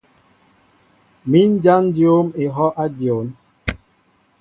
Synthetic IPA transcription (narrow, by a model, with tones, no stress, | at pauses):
mi˦n̩˦d͡ʒa˦n˦djo˦me˨ɦɔ˦ʔa˦djo˨˦n